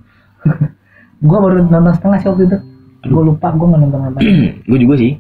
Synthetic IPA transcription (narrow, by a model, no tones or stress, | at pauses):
ɡuabaɾunɔnt̪ɔŋsə̥t̪əŋahsuk̚d̪id̪ʊ | ɡualupaʔɡuaŋanɔnt̪ɔŋant̪aɡuad͡ʒuɡasɪh